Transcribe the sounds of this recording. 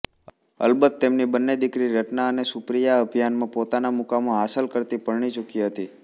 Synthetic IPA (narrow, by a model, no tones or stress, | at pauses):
ə̰lbət̪ːemnibənːed̪ɪkɾiɾəʈnaənesʊpɾijaəbʱijanmãpot̪anamukamõɦasəlkəɾt̪ipəɭɳ̃it͡ʃukiɦət̪i